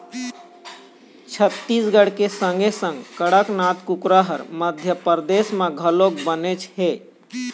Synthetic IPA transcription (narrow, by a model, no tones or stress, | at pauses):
t͡ʃʰət̪ːisɡəɽkesəŋɡesə̃ŋɡkəɽəknat̪kukɾəɦəɾməd̪ʱjəpəɾd̪esmeɡʱəlokbənet͡ʃʰɦe